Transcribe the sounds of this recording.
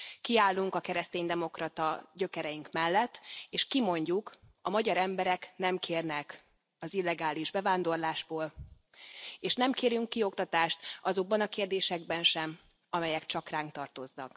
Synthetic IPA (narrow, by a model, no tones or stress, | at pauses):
kiaːlːuŋkɒkɛɾɛst̪eːnd̪ɛmo̞krɒt̪ɒ̰ɟø̞kɛɾɛjiŋkmɛlːɛt̪ːeːʃkimo̞ɲɟukɒmɒɟɒɾɛmbɛɾɛknɛmkʰeːrnɛk | ɒzilːɛɡaːliʒbɛvaːnd̪o̞rlaːʒboːl | eːʃnɛmkeːɾjyŋkːio̞kt̪ɒt̪aːʃt̪ɒzo̞ɡ̚bɒnɒkeːrd̪eːʃɛɡ̚bɛnʃɛm | ɒmɛjɛkt͡ʃɒkraːŋkt̪ɒrt̪o̞znɒ̰k